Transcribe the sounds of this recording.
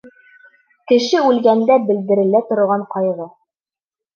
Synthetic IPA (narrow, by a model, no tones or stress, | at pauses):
kɘ̆ʃɘʉlɡænd̪æbɘ̆ld̪ɘ̆ɾɘ̆læt̪ŏɾŏʁɑɴqɒjʁɤ